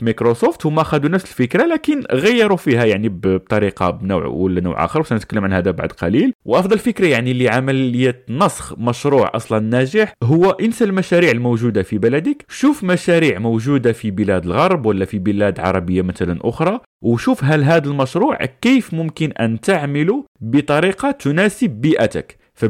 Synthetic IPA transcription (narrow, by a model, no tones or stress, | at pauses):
fimikɾosoft̪hʊmæʔæxæd̪unæfsəlfəkɾalækənɣæjːɑɾufihæjaʕnibb̚t̪ˤɑɾiqɑ̰bnṵwʕwəlːænṵwʕʔɑ̰xəɾˤwsænət̪kælːəmʕanhæd̪aba̰ʕd̪qɑlilwʔɑfd̪ˤɑlfəkɾajaʕnilːiʕamələjːæt̪nɑsˤxmæʃɾuʕʔɑ̰sˤlɑnnːæʒəħɦʊwːæʔənsælmæʃæɾiʕəlmowʒud̪afibælæd̪əkʃufmæʃæɾiʕmowʒud̪afibəlæd̪əlɣɑɾˤbwəlːæfibəlæd̪ʕɑ̰ɾˤɑbəjːamæt̪ælænʔʊxɾˤɑ | wʃufɦælɦæd̪əlmæʃɾˤuʕkifmʊmkənʔænt̪aʕməlubət̪ˤɑɾiqɑt̪ʊnæsəbːiʔæt̪ə̰k | fæ